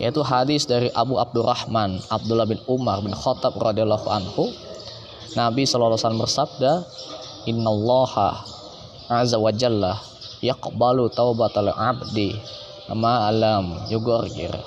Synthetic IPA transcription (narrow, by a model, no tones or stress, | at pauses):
jʔa̰it̪uɦadɪsdaɾiʔabuab̚dʊrʔɑ̰hmanʔab̚dulːahbɪnumarbɪnxɔt̪ab̚rɑdialːahuʔa̰nhu | nabisɔlalːasalambərsab̚da | ʔɪnːalˤːɑha̰ | azawad͡ʒalːa | jaqbalut̪awbat̪alʕabdi | amalamjuɡɔrɡɪ̰r